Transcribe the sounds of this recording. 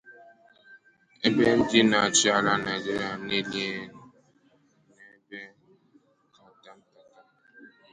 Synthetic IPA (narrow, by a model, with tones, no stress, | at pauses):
e˦be˦d͡ʒi˦na˨t͡ʃi˦a˨la˨na˨d͡ʒi˦ɾja˨ne˦lje˦˨ | nɛ˨˦bɛ˦ | ta˦ta˦mta˦ta˦